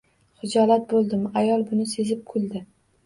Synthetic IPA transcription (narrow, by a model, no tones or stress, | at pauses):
χʊd͡ʒɒlat̪̚bolˠd̪ɪmajɒlˠbʊnɪse̞zɪp̚kʰʊlˠd̪ɪ